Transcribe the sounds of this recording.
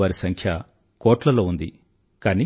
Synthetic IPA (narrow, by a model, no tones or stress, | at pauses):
aːɾisɐŋkʰjɐ | kɔːʈlɐlo̞ːund̪i | kaːni